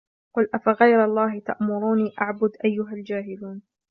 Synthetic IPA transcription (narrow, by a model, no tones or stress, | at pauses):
qʊlʔafaɣajɾɑlˤːɑːhɪt̪a̰ʔmʊɾuːniːʔaʕbʊd̪ʔajːʊɦald͡ʒaːɦɪluːn